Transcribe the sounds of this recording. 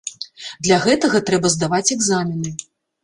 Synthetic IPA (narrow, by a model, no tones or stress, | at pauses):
d̪lʲaɣɛt̪ɐɣɐt̪ɾɛbɐzd̪avat͡sʲɛɡzamʲinɨ